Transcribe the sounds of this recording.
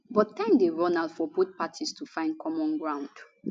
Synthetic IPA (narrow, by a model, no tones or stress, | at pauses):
bɔttɛ̃ŋkdeɹɔnaldfɔbut̚patʰistufãɪ̃nd̚kʰɔmɔ̃nɡɹãʊ̃nd̥